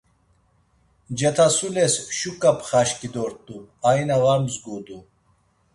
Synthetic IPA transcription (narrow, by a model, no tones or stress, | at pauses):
d͡ʒet̪ʰasulesʃukapχaɕkid̪oɾt̪uajnɐwaɾmzɡud̪u